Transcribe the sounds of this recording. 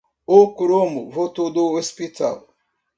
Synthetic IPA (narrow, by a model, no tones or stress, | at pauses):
okuɾomuvot̪od̪oospit̪a̰l